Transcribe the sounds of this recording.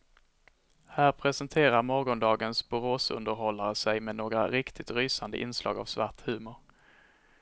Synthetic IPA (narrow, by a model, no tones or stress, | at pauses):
hæːɾpʰɾɛsənt̪ʰeːɾaɾmɔɾɡɔnd̪ɑːɡənsbɵɾoːsɵ̰nd̪əɾɦɔlːaɾəsɛjmɛnoːɡɾa̰ɾɪkt̪ʰɪt̪ɾyːsand̪ə̰ʔɪ̰nslɑ̰ːɡa̰vsvaʈhʉ̟ːmʊɾ